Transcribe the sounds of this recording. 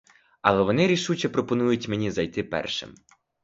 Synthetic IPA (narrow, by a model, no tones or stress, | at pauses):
ɐ̰lˠɛʋɔnɪɾʲiʃut͡ʃɛpɾɔpɔnujʊtʲmenʲizɐjt̪ɪpɛ̰rʃɪ̰m